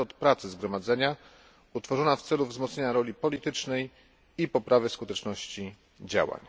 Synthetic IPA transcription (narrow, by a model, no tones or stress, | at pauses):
ɔt̪pɾat̪sɘzɡɾɔmad̪zɛɲa | ut̪fɔʐɔnaft̪sɛluvzmɔt̪ɲeɲaɾɔlʲipɔlʲit̪ɘt͡ʂnɛj | ipɔpɾavɘskut̪ɛt͡ʂnɔɕt͡ɕi | d͡ʑa̰wa̰ɲ